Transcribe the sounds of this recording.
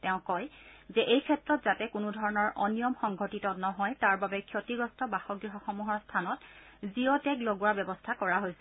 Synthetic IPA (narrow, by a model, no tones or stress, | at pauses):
tɛʊ̃kɔjzɛʔejkʰɛtɹɔtz̥atɛkʊnudʱɔɹɔnɔɹʔɔnijɔmxɔŋɡʱotitɔnɔɦɔjtaɹbabɛkʰjotiɡɹɔstɔbaxɔɡɹiɦɔxɔmuɦɔɹstʰanɔt | ziɔtɛkloɡuwabɛbɔstʰakɔɹaɦojs